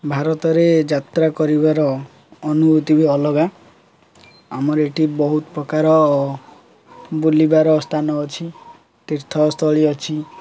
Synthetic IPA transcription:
bʱaɾɔt̪ɔɾed͡ʒat̪ɾakɔɾibaɾɔː | nubut̪ibiɔlɔɡa | amɔɾeʈibɔɦut̪ɔpɾɔkaɾɔː | bulibaɾɔst̪ʰanɔːt͡ʃʰi | t̪iɾt̪ʰɔst̪ʰɔɭiɔt͡ʃʰi

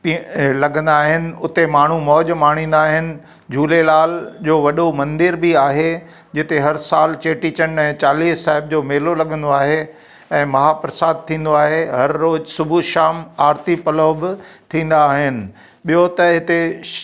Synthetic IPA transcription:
plɐɠʱə̃n̆d̪aːɦɪnɪ̆ʊt̪emaːɳ̤umɔːʄmaːɽ̃ĩːnd̪aːɦɪnɪ̆ | d͡ʑʱuːlelaːld͡ʑoːʋɐɗomɐ̃nd̪ɪɾbiaːɦe | d͡ʑɪt̪eɦɐɾsaːlt͡ɕeːʈit͡ɕɐnɛ̃ːt͡ɕaːliːsːaːɦɪb̚d͡ʑoːmeːlolɐɠʱə̃nd̪oaːɦe | ɛ̃ːmɐɦaːpɾɐsaːd̪̚t̪ʰĩːn̆d̪oaːɦeɦɐɾːoːd͡ʑsʊbʱuʃaːmaːɾt̪ipɐloːbɪt̪ʰĩːn̆d̪aɦɪnɪ̆ | ɓijot̪ɐɦɪt̪e

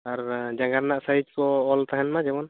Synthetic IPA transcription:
aɾd͡ʒaɡaɾnaʔsaid͡ʒkɔːlt̪aɦɛnmad͡ʒɛbɔn

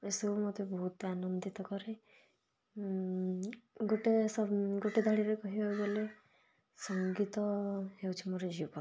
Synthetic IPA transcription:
esumot̪ebɔɦut̪anɔnd̪it̪ɔkɔɾe | ɡoʈesɔɡoʈed̪ʱaɽiɾekɔɦiɔwɡele | sɔŋɡit̪ɔɦewt͡ʃʰimoɾed͡ʒipɔ

